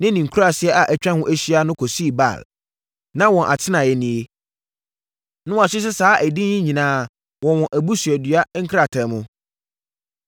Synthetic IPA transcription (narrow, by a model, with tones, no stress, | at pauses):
nɪ̃˦nĩ˨ŋ˨kʰu˦a˨sɪ˦ɛ˦ʔa˨ʔæ˨t͡ɕᶣã˦hʊ̃˦ʔæ˦ɕi˦a˦nʊ̃˦kʰɔ˨si˦˨ba̰˨l | nã˦wɔ̃˨ʔa̰˨tʰɪ˦nã˨jɛ˨nĩ˨e˦ | nʊ̃˦wa˨ɕᶣɪ˦s̬ɪ˦saː˨˦ʔæ˨dĩ˦ɲɪ̃˦ɲĩ˨nãː˦ | wɔ̃˨wɔ̃˨ʔæ˨bu˦sɥɛ˨dɥa˦ŋ̩˦kʰɾa˨tʰɛ˨˦mʊ̃˦